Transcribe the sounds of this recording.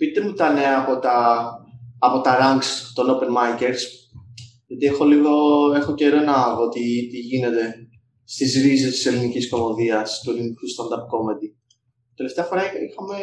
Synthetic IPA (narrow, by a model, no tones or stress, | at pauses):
pit̪emut̪ɐne̞ɐɐpot̪ɐː | po̞t̪ɐɾɐŋɡst̪o̞nopenmɐice̞ɾs | ʝɐt̪ie̞xo̞liɣoe̞xoceɾonɐvot̪it̪iʝine̞t̪e̞ | st̪izɾisest̪ise̞linicisko̞mo̞ðiɐst̪uelinkust̪ɐnd̪ɐpko̞med̪i | t̪e̞le̞ft̪eɐfo̞ɾɐixɐme